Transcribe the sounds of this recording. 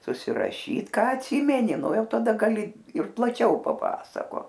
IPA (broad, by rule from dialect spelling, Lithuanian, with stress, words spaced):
sʊsʲɪrɐˈʃʲiːt ˈkɑː ɐtʲˈsʲiːmʲɛnʲɪ ˈnʊ ˈjɛʊ tɐˈdɐ ɡɐˈlʲɪ ɪr plˠɐˈt͡ʃʲɛʊ pɐˈpɑːsɐkoːt